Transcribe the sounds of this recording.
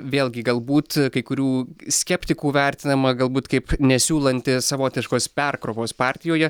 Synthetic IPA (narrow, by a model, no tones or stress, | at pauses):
ʋʲeːlˠʲɡʲɪɡɐlˠbuːt̪kɐɪkʊɾʲuːsʲkʲɛpʲt̪ʲɪkuːʋʲæɾʲt̪ʲɪnɐmɐɡɐlˠbuːt̪kɐɪpnʲɛsʲuːlˠɐnʲt̪ʲɪsɐʋoːt̪ʲɪʃkoːspʲɛrkɾoːʋoːspɑːɾʲt̪ʲɪjoːjɛ